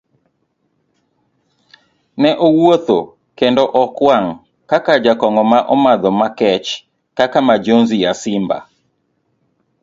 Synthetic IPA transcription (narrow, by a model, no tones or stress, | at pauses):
nɛʔowot̪o | kendɔʔɔkwaŋ | kakad͡ʒakɔŋɔmaʔɔmad̪ɔmakɛt͡ʃ | kakamad͡ʒonzijasɪmba̰